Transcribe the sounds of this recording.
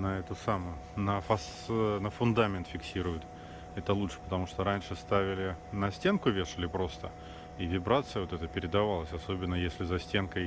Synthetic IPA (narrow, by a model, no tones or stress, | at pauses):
nɐɛt̪ʊsamʊjʊnəfɐs | nəfʊnd̪amʲɪnt̪fʲɪksʲiɾʊjʊt̪ | ɛt̪əlˠutʂɨ̥pə̥t̪ɐmuʂt̪oɾanʲʂɨst̪avʲɪlʲɪnɐsʲtʲe̞nkʊvʲeʂɨlʲɪpɾo̞st̪ə | ivʲɪbɾat̪sɨjəvot̪ɛt̪əpʲɪɾʲɪd̪ɐvalˠəsʲɐso̞bʲɪnːəjesʲlʲɪzɐsʲtʲe̞nkə